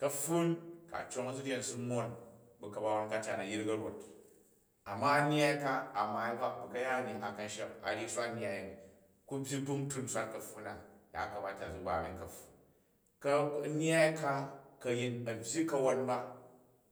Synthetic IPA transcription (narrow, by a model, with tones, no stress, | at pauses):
kɐ˦ɸu˦nka̰˨t͡ʃo˦ŋɐ˦zu˦dʲe˨n˨su˦mo˦nbu˨kɐ˨ba˦wa˦nka˦t͡ʃa˨nɐ˨ji˦ɾɡɐ˦ɾo˨t | a˨mːa˦nʲ˦a˦i˦ka˦a˨maː˨i˦ba˦bu˨kɐ˦ja˦˨nʲi˨ʔa˨kɐ˨n˦ʃa˦pa̰˨ɾi˦ʃʷa˦ɲja˨ji˨ | ku˦bʲji˦bu˦ŋ˦tu˦n̩˨sʷa˦t̚kɐ˨ɸu˦na˨ja̰˨kɐ˨ba˦ta˨zu˨˦ba˨bʲi˦nkɐ˨ɸu˨ | kɐ˦n˦a˦i˦ka˦kɐ˧ji˦nɐ˨bʲji˦kɐ˦wo˦nba˦